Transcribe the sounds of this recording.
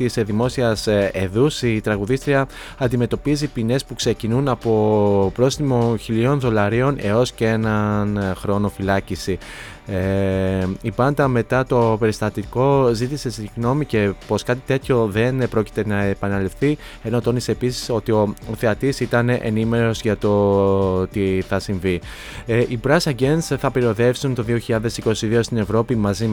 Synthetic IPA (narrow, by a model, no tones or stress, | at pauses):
t̪isðimo̞siɐse̞ðusit̪ɾɐɣuðist̪ɾiɐ | ɐnd̪ime̞t̪o̞pizipine̞spukse̞cinunɐpo̞pɾo̞sθimo̞çilio̞nðo̞lɐɾio̞ne̞o̞scee̞nɐnxɾo̞no̞filɐcisi | e | ibɐnd̪ɐme̞t̪ɐt̪o̞pe̞ɾist̪ɐt̪iko̞zit̪ise̞siɣno̞mice̞po̞skɐt̪it̪e̞t̪ço̞ðe̞npɾo̞ci̥t̪e̞nɐepɐnɐlifθi | eno̞t̪o̞niseːpisi̥so̞t̪io̞oθeɐt̪isit̪ɐne̞ʔenime̞ɾo̞zʝɐt̪o̞t̪iθɐsiɱvi | ʔibɾɐsɐɟe̞nsθɐpiɾio̞ðe̞fsunt̪o̞ðio̞çiʎɐðe̞siko̞siðio̞st̪ine̞vɾo̞pimɐzi